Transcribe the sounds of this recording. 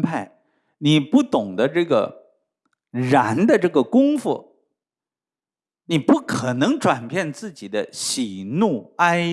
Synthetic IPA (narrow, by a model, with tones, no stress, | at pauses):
pʰa˥˩ɪ | ni˨˩pu˥˩t̪ʊ˨˩ŋd̪ə˦ʈ͡ʂɤ˥˩ɡə̰˩ | ɻa˧˥nd̪ə˧ʈ͡ʂɤ˥˩ɡə˩kʊ˥ŋfṵ˥˩ | ni˨˩pu˥˩kʰɤ˨˩nɤ˧˥ŋʈ͡ʂwa˨˩npʰjɛ˥˧nt͡sɹ̩˥˩t͡ɕi˨˩d̪ə˦ɕi˨˩nu˥˩a˥ɪ